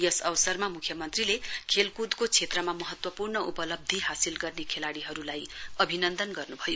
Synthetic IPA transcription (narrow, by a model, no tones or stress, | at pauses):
jʌsʌwsʌrmamukʰjʌmʌnt̪rilekʰelkud̪kot͡sʰet̪rʌmamʌɦʌt̪wʌpurnʌʔupʌlʌb̚d̪ʱiɦasilɡʌrnekʰelaɽiɦʌɾulajʌbʱinʌnd̪ʌnɡʌrnubʱʌjo